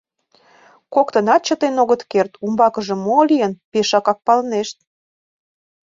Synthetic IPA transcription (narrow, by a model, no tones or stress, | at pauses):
kokt̪ə̆nɑt̪̚t͡ɕət̪enoɣət̪kert̪umbɑkəʒĕmolʲijənpeʃɑkɑk̚pɑlneʃt̪̚